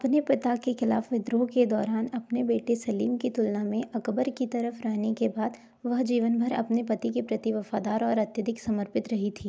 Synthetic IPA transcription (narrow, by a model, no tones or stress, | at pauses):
ɐpnepɪt̪akexɪla̰ːfʋɪd̪ɾoːked̪ɔːɾaːnɐpnebeːʈesɐliːmkit̪ʊlnamẽʔɐkbəɾkit̪ɐɾəfɾaɦnekebaːd̪ | ʋɐɦd͡ʒiːʋənbʱɐɾɐ̰pnepɐt̪ikepɾɐt̪iʋɐfaːd̪aːɾɔːɾɐt̪jəd̪ɪksɐməɾpɪt̪ɾɐɦit̪ʰiː